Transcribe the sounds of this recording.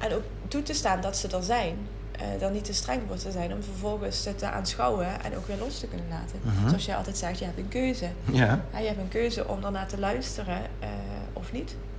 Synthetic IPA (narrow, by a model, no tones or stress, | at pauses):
ʔɛnowk | tutəstaːndɑtsədɑnzɛjn | dɑtnitəstrɛŋʋɔɹtəzɛjnɔmvəɹvɔlˠɣənsətəʔa̰ːnsxɑwəʔɛ̰no̰wkʋɪːɹlɔstəkɵnənla̰ːtənsoɑsjəjʔɑlˠtɛjtsɛxtjəɦɛp̚tənkøɥzə | ɦɛjəɦɛp̚tənkøɥzə̰ʔɔ̰mdəɹnaːtəlœɥstərə | ɔfnit